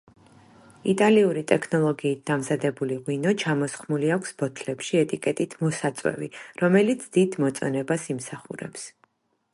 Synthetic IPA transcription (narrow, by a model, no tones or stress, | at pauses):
it̪ʼaliuɾit̪ʼɛkʰnɔlˠɔɡiːt̪̚d̪amzad̪ɛbuliʁwinɔt͡ʃʰamɔsχmuliakʷʰsb̥ɔt̪ʰlɛpʃiɛt̪ʼikʼɛt̪ʼit̪ʰmɔsat̪sʼwɛ̰viɾɔmɛlit̪sʰd̪̥id̪mɔt̪sʼɔnɛbasimsaχuɾɛ̰ps